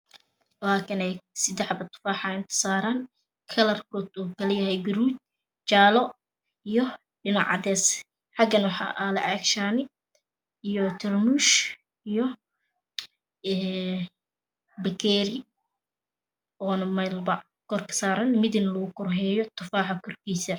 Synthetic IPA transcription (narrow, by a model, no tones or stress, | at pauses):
laːkʰɐnɛjsɪd̪ɛħbɐt̪ʰʊ̥faːħɑɪnt̪ʰɪ̥saːɾaːn | kʰɐlɐrkʰɔːd̪uːkʰɐlɛjɐɦɛjɡɐɾuːd̪̚ | t͡ʃaːlɔ | ijɔ | ɖɪnɑʕɑ̰d̪ɛːs | ħɑɡɐnwɑħɑ̰ːʔalɐ̰ʔɛkʃaːnɪ | ijɔt̪ʰɪrmuʃ | ijɔ | ɛː | bɐkʰɛːɾɪ | ɔːnmɐlbɐʕ | kʰɔrkʰɐ̥saːɾɐnmɪd̪ɪnlɐɣʊkʰɔrɦɛːjɔt̪ʰʊfaːħɑkʰɔrkʰiːsɐ